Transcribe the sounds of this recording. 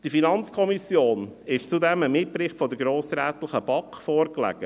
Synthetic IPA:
d̥ifinɑnt͡skʰɔmisjoːnɪʃt͡sudɛməmɪt̚pɾɪχtfɔd̪əɡɾoːsɾæːt̪ləχəb̥ɑkfɔːɾklæ̰ɡ̥ə

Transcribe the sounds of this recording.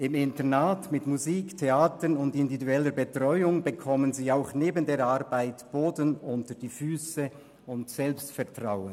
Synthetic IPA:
ɪmɪntənaːtmɪtmuziːktʰeaːtənʊndɪndividuɛləɾbətʁɔʏʊŋbəkʰɔmənziːaʊxneːbəndeːɾaʁbaɪtb̥oːdənʊntəʁd̥iːfyːsə | ʊntsɛlpstfɛɐtʁ̥aʊən

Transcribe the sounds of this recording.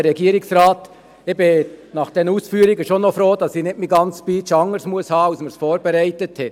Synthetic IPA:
əːɛɡiːɾɪksɾɑːt̪ | ɛbɪnɑχd̥ɛnuːsfyːɾɪɡəʃonːɔfɾoːdɑsinɪtmiɡɑnt͡spiːt͡ʃɑŋəɾsmuəshɑːɑlsməɾsfoːɾbeɾæɪtəthɛ

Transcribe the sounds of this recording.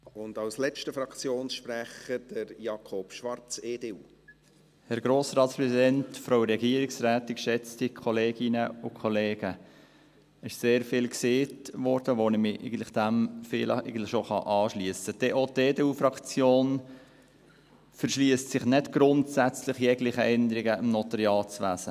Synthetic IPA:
ʊndɑwslɛt͡ʃtəfɾɑkt͡sjoːnsʃpɾæχəd̥əɾjɑkʰɔpʃʋɑɾt͡seːdeu | hɛɾɡɾoːsɾɑːt̪spɾɛsidɛntfɾoʊɾɛɡiəɾiksɾæːt̪ɪkʃɛt͡stikʰɔleːɡ̥ɪnəʊkʰɔleːɡə | ɪʃseːɾfɪlkseːtʋɔɾd̥əʋonɪmɪɛ̰ɪɡən̩tlɪχd̥æmfɪːlʔɛ̰ɪɡən̩tlɪʃoχɑ̰ʔɑːʃliəsəd̥ɛʔoteːdeːufɾɑkt͡sjoːn | fəɾʃliəstsɪχnɪtɡ̥ɾʊntsæt͡slɪχjɛɡlɪχəʔɛnd̪əɾɪɡəɪmnɔt̪ɑɾiɑːt͡sʋæsə

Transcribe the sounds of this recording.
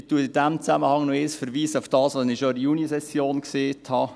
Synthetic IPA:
tuəɪd̥æmt͡sæməhɑŋnoɪːsfəɾʋiːsəʊfd̥ɑːsʋɑsnɪʃɔɾijunisɛsjoːnkseːthɑː

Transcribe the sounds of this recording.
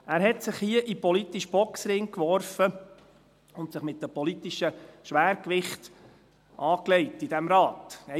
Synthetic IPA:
æːɾɦɛtsɪχhiəʔipɔlitiʃb̥ɔksɾɪŋkʋɔɾfə | ʊnt̪sɪχmɪt̚ːəpɔlit̪iʃəʃʋæːɾkʋɪχt | ʔɑːklɛɪtidɛmɾɑːtɛ

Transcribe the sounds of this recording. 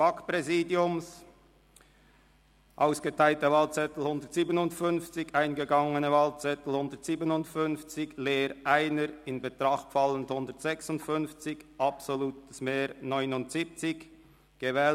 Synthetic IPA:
akpʁɛziːdiʊms | ʔaʊsɡ̥ətʰaɪltəvaːlt͡sɛtl̩hʊndəʁtsiːbənʊntfʏnft͡sɪçaɪnɡəɡɑŋənəvɑːlt͡sɛtl̩hʊndətz̥iːbənʊntfʏnft͡sɪçleːɾʔaɪnəɾɪnbetʁɑχtfɑlənthʊndətsɛksʊntfʏnft͡sɪçʔɑpsoluːtəsmeːnɔʏnʊntz̥iːp̚t͡sɪç | ɡ̥əvɛːl

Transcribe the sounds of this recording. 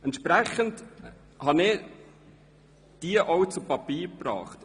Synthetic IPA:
ɛntʃpɾæχənt | hɑnɪ | d̥iəʔɔwt͡supɑpiːɾprɑ̰ːχt

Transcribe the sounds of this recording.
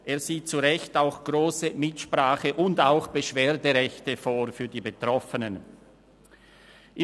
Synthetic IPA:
ʔeːɐz̥iːt̚t͡suʁɛçtaʊxɡ̥ʁoːsəmɪtʃpʁ̥aːχəʔʊndaʊxb̥əʃv̥eːɐdəʁɛçtəfoːʁfyːɐdiːbətʁ̥ɔfənən | ʔɪ

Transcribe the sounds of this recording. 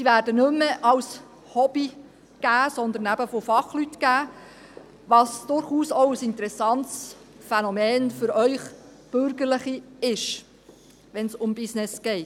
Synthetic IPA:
siʋæːɾdənɵmːəʔɑws | hɔb̥i | ɡ̥æːsɔnd̪əɾnæb̥əfofɑχlyt̪kæː | ʋɑːsd̥̪ʊɾχuːsɔʊəsɪnt̪əɾɛsɑnts | fɛnɔmɛːnfʏɾœʏχ | b̥ɵɾɡəɾləχiɪʃ | ʋɛnsʊmbɪsnɪsɡ̥ɛɪt

